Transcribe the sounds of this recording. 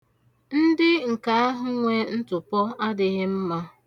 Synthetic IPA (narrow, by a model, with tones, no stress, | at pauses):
n̩˦dɪ˦ŋ̩˨ka˦a˦ɦʊ˦ŋʷe˦n̩˦tʊ˨pɔ˦a˦dɪ˦ɣɪ˦m̩˦ma˦